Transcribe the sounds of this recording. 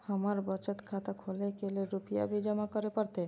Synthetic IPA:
hamaɾbɔt͡ɕat̪kʰat̪akʰolekeleɾupʰija̰bid͡ʑɔmakɔɾepɔɾt̪e

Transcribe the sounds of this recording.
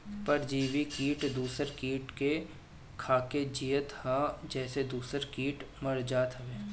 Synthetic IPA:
pɐɾd͡ʒiːʋikiːʈd̪uːsəɾkiːʈke | kʰaːked͡ʒiːət̪haːd͡ʒɛːsed̪uːsəɾkiːʈmɐɽd͡ʒaːt̪ɦəʋeː

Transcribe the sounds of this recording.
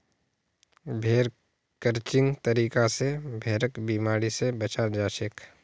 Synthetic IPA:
bʱeːɾ | kəɾt͡ʃɪ̃ŋɡt̪əɾiːkasebʱeːɾəkbiːmaːɾisebət͡ʃaːɾd͡ʒaːʃek

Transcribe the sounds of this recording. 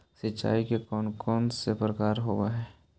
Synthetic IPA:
sɪtːt͡ʃa̰ːikekɔːnkɔːnsepɾəkaːɾɦoːaɦɛː

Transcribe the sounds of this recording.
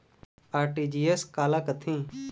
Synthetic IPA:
aːɾʈiːd͡ʒiːeskaːləkt̪ʰĩː

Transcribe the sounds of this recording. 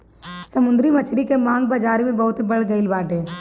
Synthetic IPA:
sɐmʊ̃nd̪ɾimɐt͡ʃʰɾikemãːŋɡ̚baːd͡ʒaːɾimẽbɐɦʊt̪ibɐɽ̤ɡɐɪlbaːʈɦeː

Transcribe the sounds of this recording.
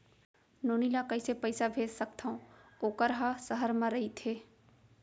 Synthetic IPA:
noːnilakɐisepəɪsabʱeːd͡ʒsək̚t̪ʰaõoːkəɾɦasəɦəɾmãɾɐɦit̪ʰeː

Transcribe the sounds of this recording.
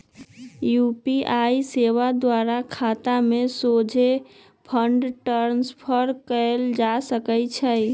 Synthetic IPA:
jupiajseʋad̪waɾakʰat̪amesod͡ʒʱe | pʰəɳɖʈəɾnspʰəɾkəld͡ʒasəkət͡ʃʰəj

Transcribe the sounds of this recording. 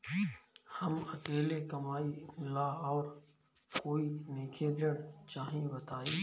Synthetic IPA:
hɐmɐkeːlekɐmaːimɪlaɔːɾ | koːineːkʰeɾəɽt͡ʃaːɦĩbɐt̪aːiː

